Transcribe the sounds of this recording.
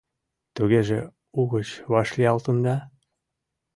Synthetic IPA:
t̪uɣeʒe | uɣət͡ɕβɑʃliɑlt̪und̪ɑ

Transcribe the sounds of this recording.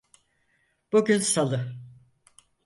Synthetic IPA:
b̥uɟʲynsalˠɯ

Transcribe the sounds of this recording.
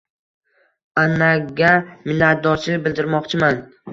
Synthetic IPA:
anaɡʲamɪlːat̪̚d̪ɒɾt͡ʃɪbɪld̪ɪɾmɒqt͡ʃʰɪman

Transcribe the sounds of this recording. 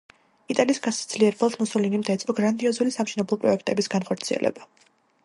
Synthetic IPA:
it̪ʼaliːsɡasd̪̥liɛɾbɛlˠd̪musɔlinimd̪ɛt̪sʼɔɡɾand̪iɔzulisamʃinɛblˠɔpʼɾɔɛkʰt̪ʼɛbisɡ̥anχɔɾt̪sʰiɛ̰lʔɛ̰ba

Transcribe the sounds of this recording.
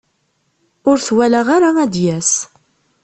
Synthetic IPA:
ʊɾθwælaʁaɾamæd̪jæs

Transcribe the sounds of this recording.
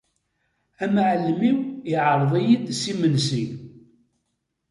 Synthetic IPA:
æmʕlːmiwiʕəɾˤðˤijid̪simənsi

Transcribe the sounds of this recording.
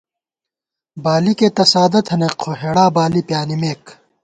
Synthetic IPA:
baːliket̪ɐsaːd̪ɐt̪ʰɐneqʰoɦeːɽaːbaːlipjaːnimeːk

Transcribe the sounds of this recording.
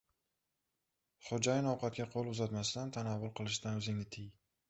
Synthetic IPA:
χod͡ʒajɪnɒwqʰɑt̪̚ɡʲaqʰolˠʊzat̪masd̪ant̪ʰanavːʊlˠqʰɨlˠɪʃd̪anɵzɪŋnɪt̪ʰɪj

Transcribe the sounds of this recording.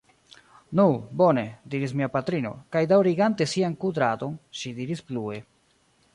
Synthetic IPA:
nubo̞ne̞diɾismiapatɾino̞̰kajdawɾiɡante̞siankudɾato̞nʃidiɾisplue̞

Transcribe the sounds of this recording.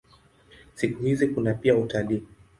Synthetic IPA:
sikuhizikunapiautaliː

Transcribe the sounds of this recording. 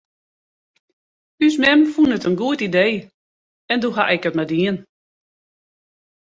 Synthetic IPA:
ysmɛmfunətənɡuətideː | ɛnduxa̰ʔɛkətmadiən

